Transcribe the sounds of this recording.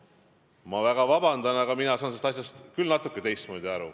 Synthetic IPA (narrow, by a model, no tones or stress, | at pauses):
mɑvæɡ̥ɑvɑbɑnd̪ɑnɑɡ̥ɑminɑsɑːnsest̪ɑs̬ʲjɑst̪kylnɑt̪ˑukːˑet̪e̞jst̪mo̞ːd̪ʲiɑɾṵ